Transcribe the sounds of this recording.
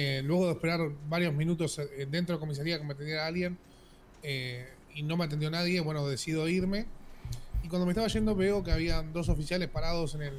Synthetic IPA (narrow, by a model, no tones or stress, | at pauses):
elwe̞ɣoðehpeɾaɾβaɾjo̞zmĩnut̪o̞sd̪e̞nt̪ɾokomis̬aɾiakemet̪end̪jeɾaalje̞n | e | ino̞meat̪end̪jonaðje̞βwe̞noðe̞siðo̞iɾme̞ | ikwand̪omeht̪aβaʒe̞nd̪o̞βe̞o̞keaβiand̪o̞s̬o̞fisjale̞spaɾað̞o̞se̞nel